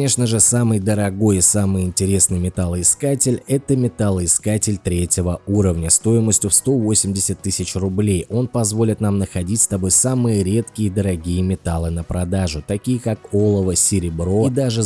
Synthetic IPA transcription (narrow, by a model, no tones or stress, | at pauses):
nʲe̞ʂnəʐɨsamɨjd̪əɾɐɡo̞jɪsamɨjɪnʲtʲɪɾʲe̞snɨjmʲɪt̪alˠɪskatʲɪlʲɛt̪əmʲɪt̪alˠɨɪskatʲɪlʲt̪ɾʲetʲɪvəuɾəvnʲəst̪o̞ɪməsʲtʲʊfst̪o̞vo̞sʲɪmʲdʲɪsʲət̪ːɨsʲɪt͡ɕrʊblʲejo̞npɐzvo̞lʲɪt̪namnəxɐdʲitʲst̪ɐbo̞jsamɨjəɾʲe̞t̪kʲɪjd̪əɾɐɡʲijəmʲɪt̪alˠɨnəpɾɐd̪aʐʊt̪ɐkʲijəkako̞lˠəvəsʲɪɾʲɪbɾo̞d̪aʐɨ